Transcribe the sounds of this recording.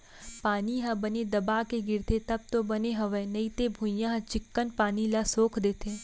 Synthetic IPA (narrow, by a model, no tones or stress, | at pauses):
paːniɦãbɐned̪ɐbaːkeɡɪɾt̪et̪ɐb̚t̪obɐneɦɐʋɛ̃ːnɐit̪ebʱʊ̃jãɦɐ̃t͡ʃɪkːənpaːnilasoːkʰd̪eːt̪ʰeː